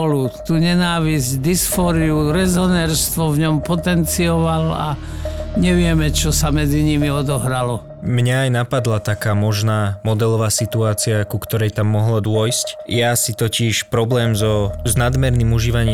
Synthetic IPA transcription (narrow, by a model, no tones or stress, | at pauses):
ɔlut̪uːɲɛnaːʋizɟd̪isfɔɾiuɾɛzɔnɛːɾst̪ʋɔvɲɔmpɔt̪ɛnt͡siɔʋala̰ | ɲɛʋɪɛmɛt͡ʃɔsamɛd͡ziɲimiɔd̪ɔɦɾalɔ | mɲaːjnapad̪lat̪akaːmɔʒnaːmɔd̪ɛlɔʋaːsit̪uaːt͡siakukt̪ɔɾɛjt̪amːɔɦlɔd̪ʊɔjscjasit̪ɔcɪɛʃpɾɔblɛːmzɔznad̪mɛɾniːmuʒiːʋaɲiː